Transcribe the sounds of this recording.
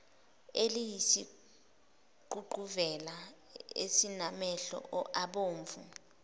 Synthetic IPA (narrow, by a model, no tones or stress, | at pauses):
elijisi | ǃʱuɡ͡ǃʱuvɛla | esinamɛɬɔ̰ʔɔʔaɓoːɱvṵ